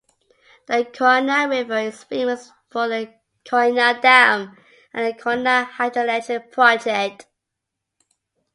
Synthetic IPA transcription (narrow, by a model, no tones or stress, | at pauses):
ðəkʰɔnəɹɪvəɪz̥fĩməs | fəðə | kʰɔɹnədãm | ə̃nəkʰɔnəhaɪdəleɪtɪpʰɹ̥aɪtɪt